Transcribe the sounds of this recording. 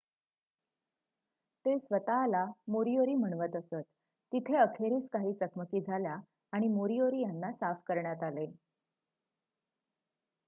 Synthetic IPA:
t̪esʋət̪aːlamoɾioɾiːm̤əɳ̃ʋət̪əsət̪ː | it̪ʰeəkʰeɾiːskaɦiːt͡səkməkiːd͡zʱaljaː | ɽ̃imoɾioɾiːjanːasafkəɾɳjat̪ale

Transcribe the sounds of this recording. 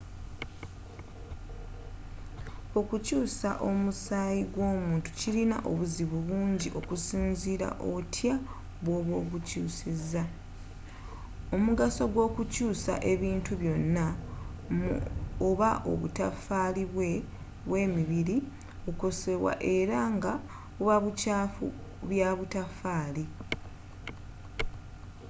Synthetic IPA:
o̞kucuːsaʔo̞musaːjiɡwo̞ːmuːntu̥cilina̰ʔo̞βuziβuβuːɲɟiʔo̞kusiːnziɾa̰ʔoβtʰja | βwoːβwo̞ːβucuːsizːa | o̞muɡaso̞ɡwo̞ːkucuːsa̰ʔe̞βiːntuβjo̞nːa | moβaʔo̰βṵtafaːliβwe | βwe̞ːmiβiɾi | uko̞se̞βwa̰ʔe̞ɾaŋɡa | uβaβucaːfṵβjaβutafaːli

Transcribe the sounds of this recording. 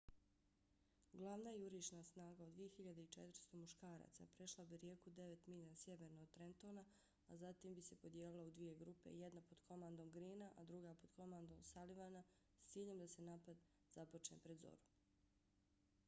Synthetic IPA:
ɡlˠaːʋnaːjeuɾiːʃnasnaːɡaod̪ʋije̞xiʎad̪eit͡ʃet̪ɾ̩st̪o̞muʃkaːɾa̰ːt̪sa̰pɾe̞ʃlˠabiɾjeːkud̪e̞ʋet̪miʎasjeʋeːɾnoːɡt̪ɾent̪o̞ːna | azat̪imbise̞po̞d̪jeːlilˠaud̪ʋije̞ɡɾupe̞̰jed̪napo̞d̪kʰo̞maːnd̪o̞mɡɾiːnaʔad̪ɾuɡaːpo̞d̪̥ko̞mand̪o̞msaliʋana | st̪siːʎe̞md̪ase̞naːpad̪ | zapo̞t͡ʃnḛpɾed̪zo̰ɾu

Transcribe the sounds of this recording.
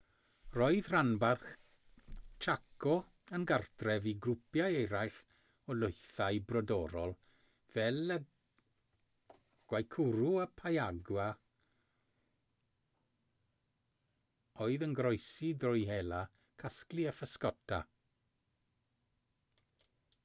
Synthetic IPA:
rɔɨðranbarχ | t͡ʃʰakɔ | ənɡartʰrɛviɡrʊpjaejɾajɬ | ɔlʊjθajbrɔdɔɾɔlˠ | v̥ɛlə | ɡ̥wajkʰʊɾuapʰajaɡwa | oɨðənɡrɔjsidrɔjɦela | kʰaskliəfəskɔtʰa̰

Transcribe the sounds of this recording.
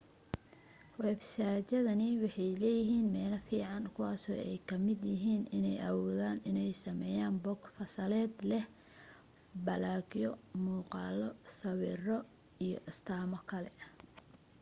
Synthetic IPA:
wɛːbsaːt͡ʃɐðɐnɪwɑħɑjlɛːjɪɦiːnmɛːlɐfiːʕɑnkʰʊwaːsɔ̰ːɛ̰jkʰɐmɪd̪jɪɦiːnɪnɛjʔɐ̰wɔːðaːnɪnɛjsɐmɛːjaːnbɔɡfɐsɐlɛːd̪lɛh | bɐlaːɡjɔmuːqɑːlɔsɐwiːrɔ | ijɔ̰ʔɪst̪ʰaːmɔkʰɐlɛ̰

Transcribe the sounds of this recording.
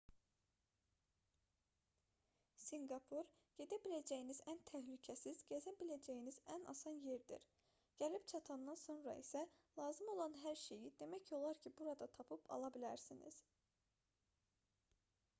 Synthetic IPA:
siŋɡɑpʰuɾ | ɟ̥e̞d̪æbilæd͡ʒæjinizænt̪ʰæhlycʰæsizɟæzæbilæd͡ʒæjinizænɑ̰sɑnje̞ɾd̪ḭɾ | ɟ̥ælipt͡ʃʰɑt̪ʰɑnd̪ɑnso̞nɾɑ̰isælˠɑːzɯmo̞lˠɑnɦæɾʃe̞jid̪e̞mæcʰo̞lˠɑɾcʰibuɾɑd̪ɑt̪ʰɑpʰɯpʰɑ̰lˠɑbilæɾsinḭz̥

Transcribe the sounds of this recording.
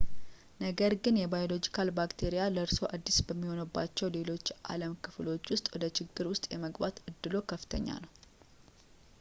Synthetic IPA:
nəɡəɾɡɨnjɛbajo̞lo̞d͡ʒikʰalbakt̪ʰe̞ɾijaləɾso̞ʔad̪ːisbəmːiho̞nəbːa̰t͡ʃːɛwle̞lo̞t͡ʃːʔa̰ləmkʰɨflo̞t͡ʃːwʊst̪ʼwɔd̪ət͡ʃɪɡːɨɾwʊst̪ʼjɛməɡbat̪ɨd̪ːɨlo̞kʰəfɨt̪ʰə̰ɲːa̰nəw

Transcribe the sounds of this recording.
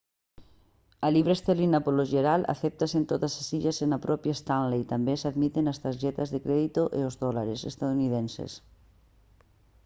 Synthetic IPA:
ɐliβɾest̪elinapoloʒeɾalʔa̰θɛp̚t̪asent̪oðasasiʎasenapɾʔɔpjaest̪anlejt̪ambesaðmit̪enast̪aɾʒɛt̪azðekɾɛðit̪oʔeozðɔlaɾesest̪aðuniðensḛs

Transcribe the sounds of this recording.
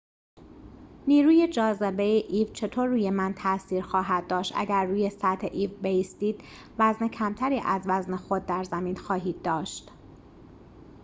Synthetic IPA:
niːɾuːje̞d͡ʒɒːzebejeʔiːvt͡ʃʰe̞t̪ʰoːɾːuːje̞mænt̪ʰæsiːɾxɒːɦæd̪̚d̪ɒːʃt̪ʔæ̰ɟæɾːuːje̞sæt̪ʰeʔiːvbe̞jiːst̪iːd̪̥ | væzne̞cʰæmt̪ʰæɾiːʔæzvæznexo̞d̪̚ːæɾzæmiːnxɒːɦiːd̪̚ːɒːʃt̪

